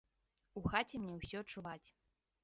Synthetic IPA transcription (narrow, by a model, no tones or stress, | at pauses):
uxat͡sʲɛmnʲɛwsʲɔɐt͡ʂːuvat͡sʲ